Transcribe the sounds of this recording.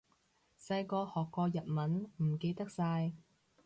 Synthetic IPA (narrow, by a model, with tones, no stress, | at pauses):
sɐ˧jkɔː˧hɔː˨kːɔː˧jɐ˨t̚mɐ˨˥nm̩˨˩ke˧jt̪ɐ˥k̚saː˧j